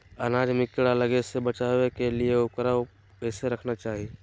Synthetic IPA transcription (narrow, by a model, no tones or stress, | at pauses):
ənaːd͡ʒmɪkːəɽaləɡesebət͡ʃaːwekelieʊkɾa | ɛseɾɐkʰnat͡ʃaːɦie